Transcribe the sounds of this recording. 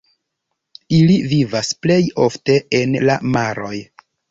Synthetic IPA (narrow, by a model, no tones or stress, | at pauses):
ilivivasple̞jo̞fte̞enlamaɾo̞j